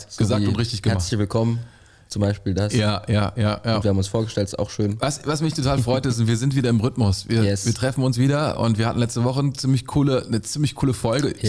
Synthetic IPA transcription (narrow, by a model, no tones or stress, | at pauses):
ɡ̥əzaːkːʊntʁɪçtɪçɡ̥əmɛɐlçvɪlkʰɔmən | t͡sʊmbaɪʃpiːldasjaːjaːjaːjaːnːtviɐhamʊnsfoːɐɡəʃtɛltsa̰ʊxʃøːnvasvasmɪçtʰotʰaːlfʁɔʏtɪst̬ʊntv̥iːɐzɪntviːdɐɪmʁʏtmʊsviːɐɛviːɐtʁ̥ɛfn̩ʊnsv̥iːdɐʔʊ̰ntv̥iːɐhatn̩lɛt͡stəvɔχənt͡siːmlɪçkʰuːlənət͡siːmlɪçkʰuːləfɔlɡə